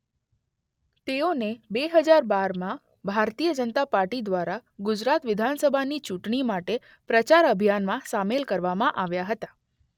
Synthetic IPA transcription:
t̪eonebeɦəd͡ʒaɾbaɾmã | bʱaɾt̪ijəd͡ʒənət̪apaɾʈid̪ʋaɾaɡʊd͡ʒɾat̪ʋɪd̪ʱansəbʱanit͡ʃuʈɳimaʈe | pɾət͡ʃaɾəbʱijanmãsamelkəɾʋamãʔaʋjaɦət̪ḁ

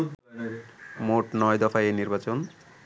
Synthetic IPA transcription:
moʈnɔjd̪ɔfaeniɾbat͡ɕon

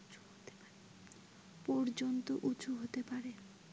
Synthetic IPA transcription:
ot̪e | pɔɾd͡ʑont̪oʔut͡ɕʰuɦot̪epaɾe

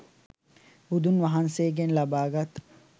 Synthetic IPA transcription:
bud̪unʋɐɦanseːɡenlɐbaːɡɐt̪

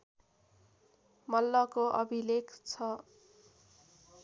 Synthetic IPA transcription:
mʌlːʌkoʔʌbʱilekt͡sʰʌ

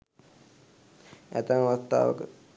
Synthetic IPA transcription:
æ̰t̪əməʋast̪a̰ːʋə̰kə

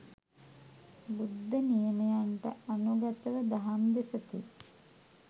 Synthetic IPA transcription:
bud̪ːɐnijɐmɐjaɳʈɐ̰ʔɐnuɡɐt̪ɐʋəd̪ɐɦɐmd̪esɐt̪i

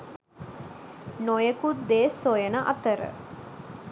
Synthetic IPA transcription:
nojəkut̪d̪eːsːojənəʔat̪əɾə̰

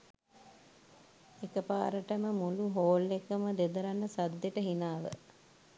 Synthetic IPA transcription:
ekəpa̰ːɾəʈəməmuluɦoːlːekəməd̪ed̪əɾanːəsad̪jeʈəɦinaːʋə̰

